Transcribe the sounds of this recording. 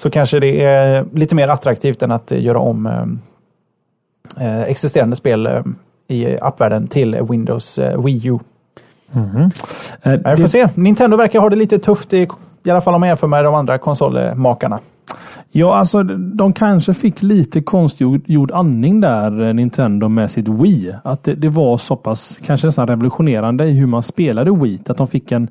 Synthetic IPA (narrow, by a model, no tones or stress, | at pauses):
sɔkʰanʂəd̪ɛæɾliːt̪əmeːɾat̪ːɾak̚t̪ʰiːft̪ɛnat̪jœːɾa̰ʔɔm | ɛksɪst̪eːɾand̪əspeːl | ɪa̰pːvæːɖənt̪ʰɪlwɪnd̪ɔ̰ʊswɪju | h | aɪffoːseːnɪnt̪ʰɛnd̪ʊvæɾkaəɦɑːd̪ɛliːt̪ət̪ʰɵft̪ɪ | ɪalafalːɔmanjɛnfœːɾmɛd̪ɔmand̪ɾakʰɔnsɔ̰lːmɑːkaɳa̰ | jɑːalsɔd̪ɔmkʰanʂəfɪkːliːt̪əkʰɔnst̪jujuːɖanːɪŋd̪æɾnɪnt̪ʰɛnd̪ʊmɛsɪt̪wiːat̪̚d̪ɛd̪ɛvasɔpʰaskʰanʂənɛst̪anɾɛvʊlɵɧʊneːɾand̪əɪɦɵmanspeːlad̪əwiːt̪ʰat̪̚d̪ɔmfɪkːɛn